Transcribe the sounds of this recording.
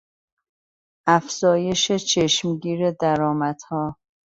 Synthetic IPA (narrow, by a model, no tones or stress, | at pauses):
ʔæfz̥ɒːje̞ʃet͡ʃʰeʃmɟiːɾed̪æɾɒːmæd̪̥hɒː